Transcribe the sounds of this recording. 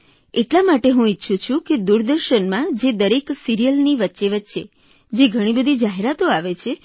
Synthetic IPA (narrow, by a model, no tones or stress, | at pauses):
eʈlamaʈeɦũitːʃʰũt͡ʃʰũked̪uɾd̪əɾʃənmãd͡ʒed̪əɾeksiɾijəlniʋətːʃeʋətːʃḛ | d͡ʒeɡʱəɽ̃ibəd̪ʱid͡ʒaɦeɾat̪oaʋet͡ʃʰe